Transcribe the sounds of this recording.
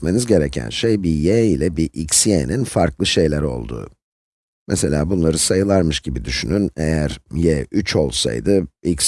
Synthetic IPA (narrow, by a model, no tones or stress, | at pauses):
me̞nizɟe̞ɾecʰæ̰nʃejbijeilʲɛbiʔicsiḛninfaɾklˠɯʃe̞jlʲæɾo̞̰lˠd̪ṵː | mʔɛse̞lʲa̰ːbunlˠaɾɯsajɯlˠaɾmɯʃɟibid̪yʃynynejæɾjɛːyt͡ʃʰo̞lˠsa̰jd̪ɯics